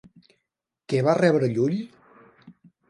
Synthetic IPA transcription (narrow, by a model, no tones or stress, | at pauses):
kɛβarɛβɾəʎuʎ